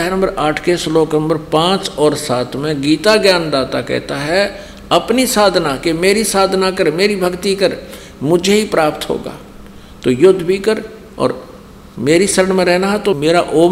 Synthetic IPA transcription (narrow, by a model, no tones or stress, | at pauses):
ɛɦnə̃mbəɾaːʈʰkesloːknə̃mbəɾpãːt͡ʃɔːɾsaːt̪ʰmẽɡiːt̪aɡjaːnd̪aːt̪akɛ̰ːt̪aɦɛ | ɐpnisaːd̪ʱnakemeːɾisaːd̪ʱnakəɾmeːɾibʱɐɡt̪ikəɾ | mʊd͡ʒʱeɦipɾaːpt̪ɦo̰ːɡa̰ː | t̪ojʊd̪ʱːbʱikəɾ | ɔ̰ːɾ | meːɾisɐɾəɳmẽɾɛɦnaɦɛt̪omeːɾaʔoː